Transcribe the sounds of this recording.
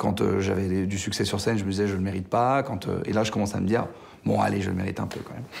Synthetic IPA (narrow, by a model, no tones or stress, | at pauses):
kɑ̃t̪øʒavɛd̪ed̪ysyksɛsyʁsɛnʒəməd̪izɛʒələmeʁit̪̚pakɑ̃t̪ø̰ḛlaʒəkɔmɑ̃saməd̪iʁ | bɔ̃a̰leʒə̰ləmeʁit̪ɛ̃pø̰kɑ̃mɛ̰m